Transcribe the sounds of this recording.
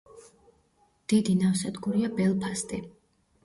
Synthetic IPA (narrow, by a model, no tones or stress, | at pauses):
d̪̥id̪inafsɛd̪ɡuɾiabɛlˠpʰast̪ʼi